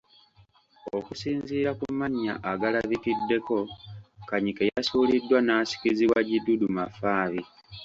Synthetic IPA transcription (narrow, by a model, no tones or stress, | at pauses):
o̞̰kusiːnziːɾakumaɲːa̰ʔaɡalaβitidːe̞ko̞kaɲikejasuːlidːwanaːsi̥kiziβwaɟidudumafaːβi